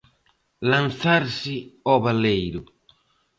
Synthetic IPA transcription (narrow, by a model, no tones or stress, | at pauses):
lanθaɾsɪɔβalejɾʊ